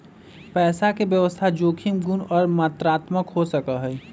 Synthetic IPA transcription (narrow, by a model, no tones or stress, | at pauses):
pɛːsakebjəʋəst̪ʰad͡ʒoːkʰimɡunɔːɾmat̪ɾaːt̪məkɦosəkəɦɛj